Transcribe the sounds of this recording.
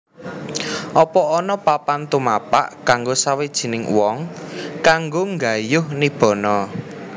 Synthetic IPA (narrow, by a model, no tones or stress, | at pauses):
ʔɔpɔɔnɔpapant̪umapa̰ʔkaŋɡosawed̥ʒ̥i̤nɪŋwɔŋkaŋɡoŋɡajʊhnib̥ɔ̤nɔ